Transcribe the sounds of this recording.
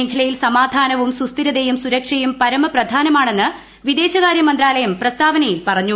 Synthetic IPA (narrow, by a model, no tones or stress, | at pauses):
eŋkʰɐlɐjilsɐmaːd̪ʱaːnɐʋumsust̪iɾɐd̪ejumsuɾɐkʂɐjumpɐɾɐmɐprɐd̪ʱaːnɐmaːɳe̞nːɨ | ʋid̪e̞ːɕɐɣaːɾjɐmɐnd̪raːlɐjɐmprɐst̪aːʋɐnɐjilpɐrɐɲːu